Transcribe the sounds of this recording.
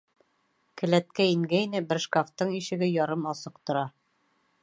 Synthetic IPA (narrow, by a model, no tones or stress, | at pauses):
kɘ̆læt̪̚kæiŋɡæinɘbɘ̆ɾʃkaft̪ɤɴiʃɘ̆ɡɘjɒɾɤmɒsɤqt̪ŏɾɑ